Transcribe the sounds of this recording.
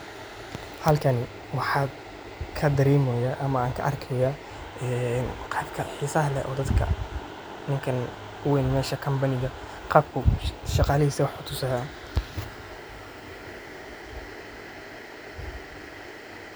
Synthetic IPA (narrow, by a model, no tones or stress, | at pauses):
hɐlkʰɐn | wɑħɑː | kʰɐd̪ɐɾɛːmɛjaːʔɐmɐaːŋkʰɐ̰ʔɐrkʰɛja | ɛːnqɑːbkʰɐħisɐɦlɛ̰ʔɔ̰ːd̪ɐd̪kʰɐ̰ | nɪŋkʰɐn | ʊwɛːnmɛːʃɐkʰɐmbɐnɪɣɐ | qɑːb̚kʰʊʃɑqɑːlɐhiːsɐwɑħʰʊt̪ʰʊsaːa